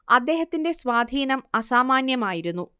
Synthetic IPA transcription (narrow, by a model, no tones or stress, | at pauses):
ɐd̪ːe̞ːɦɐt̪ːinde̞sʋaːd̪ʱiːnɐmɐsaːmaːnjɐmaːjiɾunːu